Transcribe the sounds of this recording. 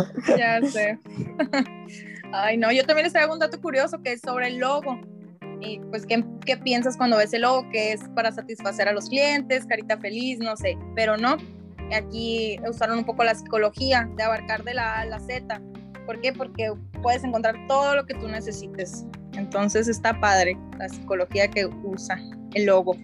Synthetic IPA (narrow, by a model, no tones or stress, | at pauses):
ʝase | ajno̞ʝo̞t̪ambjenlest̪ɾaɣound̪at̪okuɾjoso̞keesːo̞βɾe̞ːlːo̞ɣo̞ | ipwe̞skeke̞pje̞ns̬askwand̪o̞βe̞selːo̞ɣo̞ke̞espaɾasat̪isfase̞ɾalo̞sklje̞nt̪e̞skaɾit̪afe̞lisno̞se̞pe̞ɾo̞no̞ | akiusaɾonũmpo̞ko̞lasi̥ko̞lo̞xiaðeaβaɾkaɾðe̞lalase̞t̪a | po̞ɾke̞po̞ɾke̞ | pwe̞ðes̬e̞ŋk̬ont̪ɾaɾt̪o̞ð̞o̞lo̞ke̞t̪une̞se̞sit̪e̞s | ent̪o̞nse̞s̬e̞st̪apað̞ɾe̞ | lasiko̞loxiake̞usa | elːo̞ɣo̞